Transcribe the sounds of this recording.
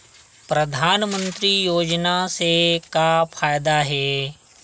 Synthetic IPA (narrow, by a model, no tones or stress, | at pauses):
pɾəd̪ʱaːnmə̃nt̪ɾijoːd͡ʒnasekapʰaːjd̪aɦɛː